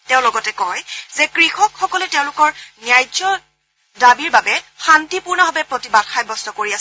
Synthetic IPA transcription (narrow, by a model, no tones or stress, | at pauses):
teʊ̃lɔɡɔtɛkɔjzɛkɹixɔkxɔkɔlɛteʊ̃lʊkɔɹnijajzɔ | dabiɹbabɛxantipuɹnaɦɔbɛpɹotibad̥xajbɔstɔkoɹias